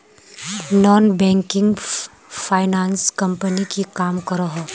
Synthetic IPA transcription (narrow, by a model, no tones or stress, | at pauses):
nɔːnbɛ̃ːŋkɪ̃ŋɡ | fʰaːɪnaːnskɐ̃mpənikikaːmkɐɾaɦɐ